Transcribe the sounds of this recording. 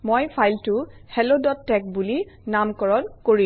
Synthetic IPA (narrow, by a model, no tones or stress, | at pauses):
mojpʰajltʊhɛlodɔtːɛk̚buli | namkɔɹɔnkoɹi